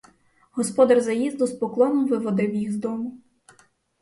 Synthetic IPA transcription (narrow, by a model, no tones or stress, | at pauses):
ɦɔspɔd̪ɐrzɐjizd̪lˠɔspɔklˠɔnɔmʋɪʋɔd̪ɪwjiɣzd̪ɔmʊ